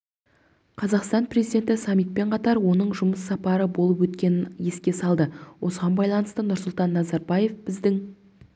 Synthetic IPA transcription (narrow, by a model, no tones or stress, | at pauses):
qʰɑzɑqst̪ɑnprezid̪ʲe̞nt̪ɪsɑmːijt̪̚pe̞ɴqʰɑt̪ɑɾwo̞nəɴʒʊməsːɑpɑɾəbo̞lˠəp̬wɵt̪kʲe̞nɪnje̞skʲe̞sɑlˠd̪əwʔo̞səʁɑnbɑjlˠɑnəst̪ənʊɾsʊlˠt̪ɑnːɑzɑɾbɑje̞fbɪzd̪ɪŋ